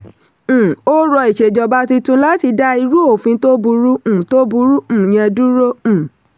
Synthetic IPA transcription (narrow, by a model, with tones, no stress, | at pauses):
o˦ɾɔ˧i˨ʃe˨d͡ʒɔ˧ba˦ti˧tũ˧˦la˦ti˧da˦i˧ɾu˦o˦˨fĩ˧˦to˦bu˧ɾũ˦˨to˦bu˧ɾũ˦˨j̃ɛ̃˧du˦ɾõ˦˨